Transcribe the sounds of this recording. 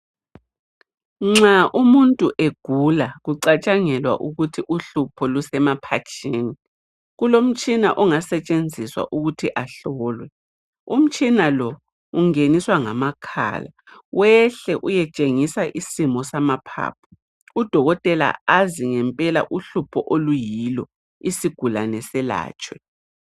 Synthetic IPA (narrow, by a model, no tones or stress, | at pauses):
ŋ͡ǁaʔumuntʼuʔeɡ̥ʱulaɣuǀat͡ʃʼaŋɛlwa̰ʔuɣutʰiʔuɬupʰɔlusɛmapʰat͡ʃʰʼiːni | ɣulom̩t͡ʃʼina̰ʔɔŋasɛt͡ʃʼend͡zʱiswa̰ʔuɣutʰiʔaɬɔːlwɛ | um̩t͡ʃʼinalɔ | uŋeniswaŋamakʰa̰ːlawʔɛɬɛʔujɛt͡ʃʼeŋisaʔisimɔsamapʰa̰ːp̚ʰɔ̥ | ud̥ʱɔɣɔtʼɛla̰aziŋɛmpʼɛla̰ʔuɬupʰɔʔolujilɔ | isiɡ̥ʱulanɛsɛla̰ːt͡ʃʼwɛ